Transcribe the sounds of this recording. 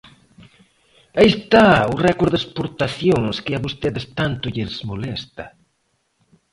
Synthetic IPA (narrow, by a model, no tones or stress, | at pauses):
aist̪aʊrɛkoɾðespoɾt̪aθjoŋskɪaβost̪eðɪst̪ant̪ʊʎezmolɛst̪ɐ